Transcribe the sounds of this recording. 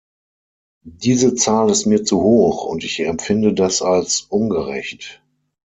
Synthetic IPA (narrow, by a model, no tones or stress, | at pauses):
d̥iːzət͡saːlɪstmiːɐt͡suhoːχʊ̰ntɪçɛmfɪndədasalsʔʊnɡəʁɛ̰çt